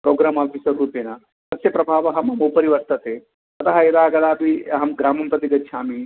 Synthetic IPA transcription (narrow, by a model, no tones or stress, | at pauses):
pɾoːɡɾaːmaːfisɐɾːuːpjɐnɐ | sɐsjɐpɾɐbʱaːʋɐɦɐmɐmopɐɾiʋɐɾt̪ɐt̪eː | ɐt̪ɐɦɐjɐd̪aːɡɐd̪aːpiɐɦɐmɡɾaːmɐmpɾɐt̪iɡɐtːʃʰaːmi